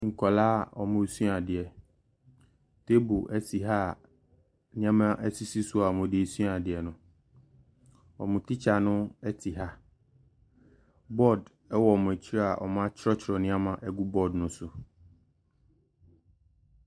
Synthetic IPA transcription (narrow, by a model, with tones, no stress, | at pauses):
ŋ̩˨kʰɔ˨laː˦˨ɔ̰˨mʊ̃˨˦su˦a˨dɪ˨ɛ˨ | tʰe˦bu˨ʔɛ˦si˨ɦa˦˨ | nɪ̃˦ã˦mã˦ʔɛ˦si˦si˦sʊ˦a˨mʊ̃˨dɪ˦˨su˦a˨dɪ˨ɛ˨nʊ̃˨ | ɔ̰˨mʊ̃˨tʰi˦t͡ɕʰa˨nʊ̃˦ɛ˦tʰi˨ɦa˦ | bɔ˦˨d | ɛ˦wɔ˨mʊ̃˨ɛ˨t͡ɕʰi˦ɾa˦a˨ʔɔ̰˨mã˦t͡ɕʰɾɔ˦t͡ɕʰɾɔ˨nɪ̃˦a˦mã˦ʔɛ˦ɡu˦bɔ˦dnʊ̃˦sʊ˨